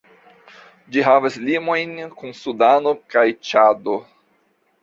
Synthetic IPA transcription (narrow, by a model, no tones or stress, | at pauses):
d͡ʒiɦavaslimojnkunsudanokajt͡ʃado